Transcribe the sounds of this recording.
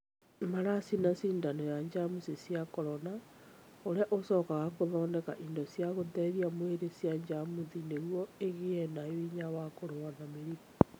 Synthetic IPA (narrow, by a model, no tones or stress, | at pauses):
maɾasinasiːndanɔjaɲd͡ʑamusisjakɔɾɔna | oɾeaʔosɔkaɣakoðɔːndɛkaʔindosjaɣotɛːðiamweɾesjaɲd͡ʑamuðineɣwɔeɣeɛnaewiɲawakoɾoanameɾio